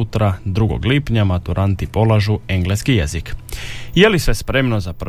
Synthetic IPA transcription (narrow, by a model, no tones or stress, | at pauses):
ut̪ɾad̪ɾuɡo̰ɡlipɲamat̪uɾʔant̪ipo̞laʒue̞ŋɡleskijezikjelisʋespɾe̞mno̞zap